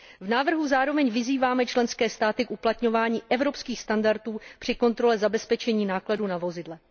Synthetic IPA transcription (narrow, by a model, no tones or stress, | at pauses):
vnaːvr̩ɦuzaːɾo̞vɛɲvɪziːvaːmɛt͡ʃlɛnskɛːst̪aːt̪ɪkʔuplat̪ɲo̞vaːɲiːʔɛvɾo̞pskiːxst̪andaɾt̪uːpr̝̥ɪko̞nt̪ɾo̞lɛzabɛspɛt͡ʃɛɲiːnaːkladuːnavo̞zɪdlɛ